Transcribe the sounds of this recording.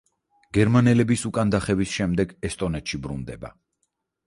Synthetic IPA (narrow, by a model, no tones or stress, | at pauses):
ɡ̥ɛɾmanɛlɛbisukʼand̪aχɛvisʃɛmd̪ɛɡɛst̪ʼɔnɛt̪ʃibɾṵnd̪ɛba̰